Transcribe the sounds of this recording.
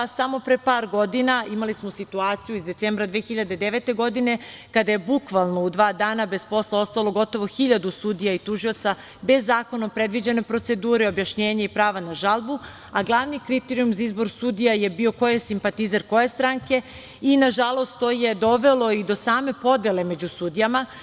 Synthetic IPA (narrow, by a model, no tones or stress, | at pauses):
samo̞pɾepaːɾɡo̞d̪inaimalismo̞sit̪uaːt̪sijuizd̪e̞t̪seːmbɾad̪ʋeːxiʎad̪e̞d̪eʋet̪e̞ɡo̞d̪ine̞kad̪aje̞bukʋalˠnoud̪ʋaːd̪aːnabe̞zpo̞slˠao̞st̪alˠo̞ɡo̞t̪o̞ʋoxiʎad̪usuːd̪ijait̪uʒiot̪sa | be̞zːaːko̞naopɾed̪ʋid͡ʑeno̞pɾo̞t̪se̞d̪uːɾeo̞bjaʃɲe̞ːɲaipɾaːʋanaʒalˠbu | aɡlˠaʋnikɾit̪eɾijumzaizbo̞ɾsuːd̪ijaje̞bio̞ko̞jesimpat̪izaɾko̞jest̪ɾaŋke̞ | inaʒalˠo̞st̪t̪oːje̞d̪o̞ʋe̞lˠo̞id̪o̞saːme̞po̞d̪ele̞me̞d͡ʑusuːd̪ijama